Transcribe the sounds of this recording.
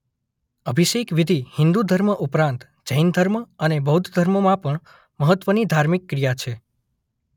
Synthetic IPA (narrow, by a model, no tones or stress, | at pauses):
əbʱiʃekʋid̪ʱihɪ̃nd̪ud̪ʱəɾməʔupɾãnt̪ | d͡ʒəjnd̪ʱəɾməənebəɦud̪d̪ʱəɾmomãpəɳ | məɦət̪ʋənid̪ʱaɾmikːɾijat͡ʃʰe